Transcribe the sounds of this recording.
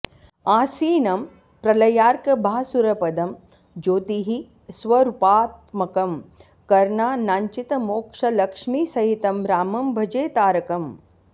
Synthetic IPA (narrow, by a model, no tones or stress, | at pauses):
aːsiːnɐm | pɾɐlɐjaːɾkɐbʱaːsuɾɐpɐd̪ɐm | d͡ʒoːt̪iɦi | sʋɐɾupaːt̪mɐkɐm | kɐɾɳaːnaːɲt͡ʃit̪ɐmoːkʂɐlɐkʂmiːsɐɦit̪ɐmɾaːmɐmbʱɐd͡ʒeːt̪aːɾɐkɐm